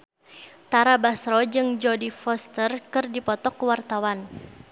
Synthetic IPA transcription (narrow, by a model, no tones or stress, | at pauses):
t̪aɾabasɾɔd͡ʒɨŋd͡ʒɔdifɔst̪ərkɨrdipɔt̪ɔkwart̪awan